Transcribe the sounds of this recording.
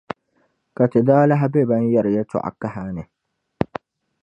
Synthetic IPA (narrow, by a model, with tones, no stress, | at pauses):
ka˨tɪ˨daː˦la˦ɦa˦bɛ˦ba˦n˦jɛ˦ɾɪ˨jɛ˦tʊ̰˦ʔa̰˨ka˦ɦa˦nɨ˨